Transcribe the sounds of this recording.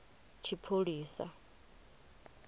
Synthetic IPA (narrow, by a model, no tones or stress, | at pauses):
t͡ʃʰipʰoɺiːsa̰